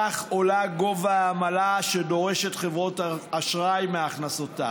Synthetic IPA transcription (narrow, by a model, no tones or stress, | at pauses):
aχo̞laɡo̞vaːmalaʃedo̞ʁe̞ʃetχevʁo̞taaʃʁajmeaχnaso̞ta̰